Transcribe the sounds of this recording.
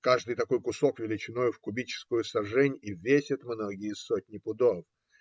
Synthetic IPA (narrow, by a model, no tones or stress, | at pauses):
kaʐd̪ɨjt̪ɐko̞jkʊso̞kvʲɪlʲɪt͡ɕɪno̞jʊfkʊbʲit͡ɕɪ̥skʊjʊsɐʐɛnʲivʲesʲɪt̪mnoɡʲɪjəsotʲnʲɪpʊd̪of